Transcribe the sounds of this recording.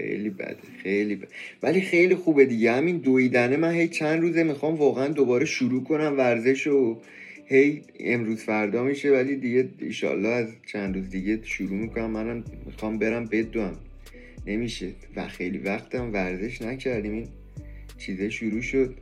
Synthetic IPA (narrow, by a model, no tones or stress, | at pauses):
xḛjlibæ̰d̪̥exejlibævælixe̞jlixuːbe̞d̪iɟehæmind̪oiːd̪æne̞mænhe̞jt͡ʃʰænd̪ruːzemixɒːmvɒːɣeænd̪obɒːɾeʃuɾuːkʰo̞næmvæɾze̞ʃo | hej | emɾuːzfæɾd̪ɒːmiːʃe̞vælid̪iɟe̞ḭʃɒ̰lːɒːhæzt͡ʃʰænd̪ɾuːzd̪iɟe̞ʃuɾuːmikʰo̞næmːænæmmḭxɒːmbe̞ɾæmbe̞d̪uæm | ne̞miːʃe | væ̰xejlḭvæxt̪ʰæmvæɾze̞ʃnæcʰæɾd̪iːmiːn | t͡ʃʰiːzɛʃuɾuːʃod̪̚